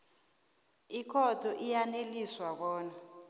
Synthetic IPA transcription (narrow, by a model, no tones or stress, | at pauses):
ikʰɔd̥ʰʱɔʔijaneliswak̬ɔːna